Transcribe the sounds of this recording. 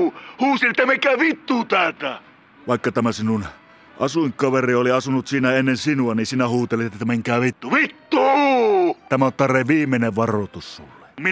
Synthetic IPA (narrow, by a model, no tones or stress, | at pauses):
huːsilet̪ːæmekæːʋit̪ːuːt̪æːt̪æ | ʋɑˑekːɑt̪æmæsinun | ʔɑsuŋkɑʋerioliɑsunut̪siːnæenːensinuɑninsiːnæhuːt̪elit̪t̪ːt̪ːæmeŋkæːʋit̪ːuʋit̪ːuː | t̪æmæont̪t̪ɑreʋiːmːˑeneʋʋɑrot̪usːṵlːe̥m